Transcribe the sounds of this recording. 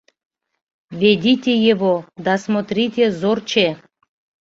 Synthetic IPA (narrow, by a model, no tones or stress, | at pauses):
vʲedʲit̪ʲejevod̪ɑsmot̪ɾʲitʲezort͡ɕe